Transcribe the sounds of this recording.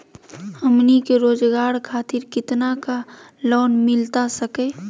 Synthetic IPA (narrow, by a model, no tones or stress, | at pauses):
əmnikeɾoːd͡ʒɡaːɾkʰaːt̪ɪɾkɪt̪naka | lɔːnmɪlt̪asəkeː